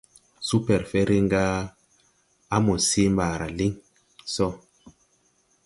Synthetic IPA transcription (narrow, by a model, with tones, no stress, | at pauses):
su˦pɛ˨ɾfɛ˦ɾi˦ŋɡa˦ | a˦mo˨si˦mbaː˨ɾa̰˨li˦ŋ | sɔ˦˨